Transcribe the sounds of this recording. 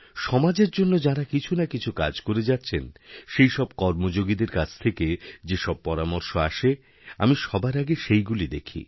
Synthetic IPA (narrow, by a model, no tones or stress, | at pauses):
ʃɔmad͡ʑeɾd͡ʑonːod͡ʑaɾakit͡ɕʰunakit͡ɕʰukad͡ʑkoɾed͡ʑat̪ːɕʰenʃejʃɔb̚kɔɾmod͡ʑoɡid̪eɾkat͡ɕʰt̪ʰeked͡ʑeʃɔb̚pɔɾamoɾʃoaʃe | a̰miʃɔbaɾaɡeʃejɡulid̪ekʰḭ